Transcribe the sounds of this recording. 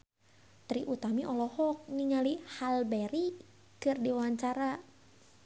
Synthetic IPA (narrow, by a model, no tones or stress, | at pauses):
t̪ɾiʔut̪amiʔɔlɔhɔk̚niɲalihalbɛɾi | kɨrdiawaɲt͡ʃaɾa